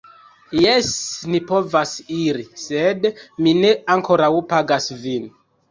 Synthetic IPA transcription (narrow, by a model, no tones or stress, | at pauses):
jesnipo̞vasiɾisedmine̞aŋko̞ɾawpaɡasvin